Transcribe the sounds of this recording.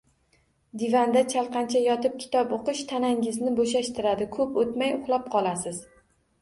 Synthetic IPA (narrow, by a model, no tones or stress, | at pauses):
d̪ɪvand̪at͡ʃʰalˠqɑnt͡ʃʰajɒt̪ɪp̚kʲʰɪ̥t̪ɒpoqɨʃt̪ʰanaŋɪznɪboʃaʃt̪ɪɾad̪ɪkʰɵpot̪majʊχlˠap̚qʰɒlˠasɪz̥